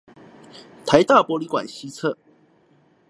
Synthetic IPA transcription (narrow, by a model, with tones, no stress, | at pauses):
t̪ʰa˨˧˦ɪt̪a˥˨pwɔ˧˥li˧˦kwa̰˨˩nɕi˦t͡sʰə˥˨